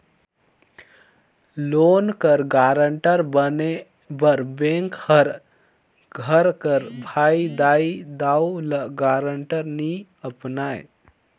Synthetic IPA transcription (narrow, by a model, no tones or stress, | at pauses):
loːnkəɾɡaɾəɳʈəɾbəne | bəɾbẽŋkhəɾ | ɡʱəɾkəɾbʱaid̪aid̪auləɡaːɾəɳʈəɾni | əpnaj